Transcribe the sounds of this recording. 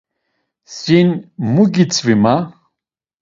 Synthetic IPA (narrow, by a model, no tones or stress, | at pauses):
sinmuɡit͡sʰvima